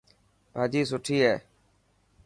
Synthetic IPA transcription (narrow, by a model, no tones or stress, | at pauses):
bʱaːd͡ʒiːsʊʈʰiːɦeː